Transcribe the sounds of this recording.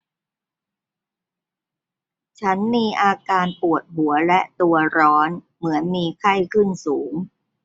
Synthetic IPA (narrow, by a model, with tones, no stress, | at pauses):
t͡ɕʰa˦˥nmiː˧ʔaː˧kaː˧npu˨˩ət̪̚hu˩˦ɐlɛ˦˥ʔt̪u˧ɐɾɔː˦˥n | mɯ˩˦ənmiː˧kʰa˥˩jkʰɯ˥˩nsuː˩˦ŋ